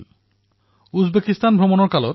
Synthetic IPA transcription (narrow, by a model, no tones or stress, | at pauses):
ud͡ʑbekist̪anbʱomonoɾkaloɾ